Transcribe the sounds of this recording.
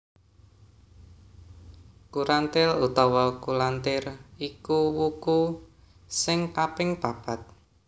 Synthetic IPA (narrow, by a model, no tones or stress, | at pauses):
kuɾant̪ɪlut̪ɔwɔkulant̪ɪrikuwuku | sɪŋkapɪŋpapat̪̚